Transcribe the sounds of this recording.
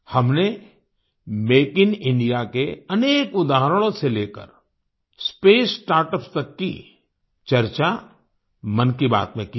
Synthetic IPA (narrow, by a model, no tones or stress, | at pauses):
hɐmne | meːkɪnɪ̃ɳɖijakeɐneːkʊd̪aːɦəɾəɽ̃õseleːkə̰ɾ | speːsʈaːɾʈəpst̪ɐkːḭ | t͡ʃɐɾt͡ʃa | mɐnkiba̰ːt̪mẽki